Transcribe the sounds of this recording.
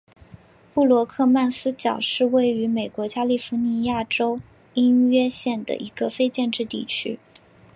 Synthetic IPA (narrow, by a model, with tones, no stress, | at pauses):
pu˥˩lwɔ˧˥kʰɤ˥˧ma˥˩nsɹ̩˥t͡ɕjɑ˨˩ʊʂɻ̩˥˧we˥˩ɪy˧˥me˨˩ɪkwɔ˧˥t͡ɕja˥li˥˩fu˧˥ni˧˥ja˥˩ʈ͡ʂo˥ʊ | i˥nɥɛ˥ɕjɛ˥˩nd̪ə̰˩ʔi˧˥ɡə˧fe˥ɪt͡ɕjɛ˥˧nʈ͡ʂɻ̩˥˧t̪ḭ˥˩t͡ɕʰy̰˥